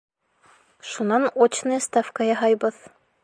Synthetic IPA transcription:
ʃunɑnot͡ɕnɤjst̪afkɑjɑɦɑjbɤð

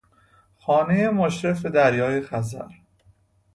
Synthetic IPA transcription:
xɒːne̞jemoʃɾefed̪æɾjɒːjexæzæ̰ɾ

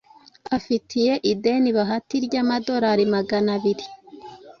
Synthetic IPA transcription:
afitije̞ʔide̞niβaɦatiɾɟamado̞ɾaɾimaɡanaβiɾi

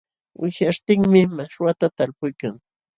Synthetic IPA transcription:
wʔɪʃaʃt̪ɪŋmɪmaʃwat̪at̪alpʊjkaŋ

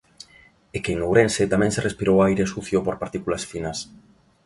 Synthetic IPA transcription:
ekeŋlowɾẽnset̪amɛ̃ŋserʔespiɾowajɾesuθjopoɾpaɾt̪ikulasfinɐs

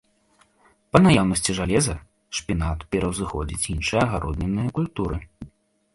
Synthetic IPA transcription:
pɐnajawnɐsʲt͡sʲiʐalʲɛzɐ | ʂpʲinat̪pʲɛɾɐwzɨxɔd͡zʲit͡sʲinʂɨjɐɐɣaɾʔɔd̪nʲɛnːɨjɐkulʲt̪uɾɨ

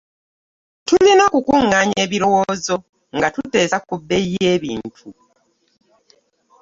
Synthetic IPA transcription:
tulinakukuŋːaːɲe̞ːβiɾo̞wo̞ːzo̞ | ŋɡatute̞ːsakubːe̞je̞ːβḭːntʰu

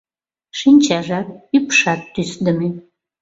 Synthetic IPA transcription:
ʃinʲt͡ɕɑʒɑk̚ypʃɑt̪ːysd̪əme

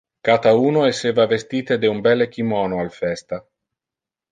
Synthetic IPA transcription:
kat̪auːnoesːeːvavest̪iːt̪ed̪eumbɛlek̟imɔnoalfɛst̪a

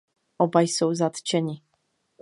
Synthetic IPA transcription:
ɔbajsɔ̃wzat̪t͡ɕɛɲi

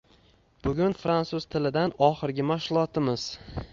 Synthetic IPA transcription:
b̥ʊɡʲʊnfɾansʊz̥t̪ʰɪlɪd̪anɒχɨɾɡʲɪmaʃlˠɒt̪ʰɪmɪz̥

